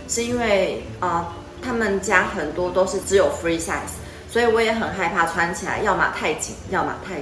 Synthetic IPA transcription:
ʂɻ̩˥˧i˥nwe˥˩ɪ | ə˧ | t̪ʰa˥mə˨nt͡ɕja˥xə˨˩nt̪wɔ˥t̪o˥ʊʂɻ̩˥˩ʈ͡ʂɻ̩˧˥jo˨˩ʊfɹi˦t͡ɕa˥˧˩ɪs | swɔ˧˥i˨˩wɔ˧˥jɛ˧˥xə˨˩nxa˥˧ɪpʰa˥˧˩t͡sʰwa˦nt͡ɕʰi˨la̰˧˦ɪjɑ˥˩ʊma̰˨˩t̪ʰa˥˩ɪt͡ɕḭ˨˩˦ŋjɑ˥˩ʊma̰˨˩t̪ʰa˥˩ɪ

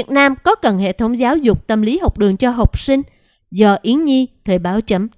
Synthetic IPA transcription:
i˨˩ət̚naː˧mkɔ˨˦kə˨˩nɦḛ˧˨t̪ʰə˧˦wŋ͡mzaː˨˦wzʊ˨˩k͡p̚t̪ə˧˩mli˨˦ɦə˨˩wk͡p̚ɗɨ˨˩əŋt͡ɕɔ˧ɦə˨˩wk͡p̚sï˧ŋ̟ | zɔː˧˩ʔi˨˦ŋɲi˧t̪ʰəː˨˩jɓaː˨˦wt͡ɕə˧˥m

